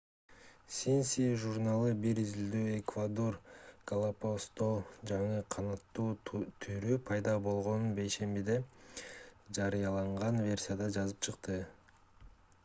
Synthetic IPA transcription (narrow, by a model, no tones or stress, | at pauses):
sʲinsʲiʒurnalˠɯbiɾizild̪øːekvad̪o̞rkɐlˠapost̪od͡ʒɑɴɯqʰɑnɑt̪ːuːt̪ʰyɾypʰɑjd̪ɑbo̞lˠʁo̞nunbe̞jʃe̞mbid̪e̞ | d͡ʒɑɾɯjɑlˠɑɴʁɑnvʲe̞rʲsʲijad̪ɑd͡ʒɑzɯp̚t͡ʃʰɯqt̪ɯ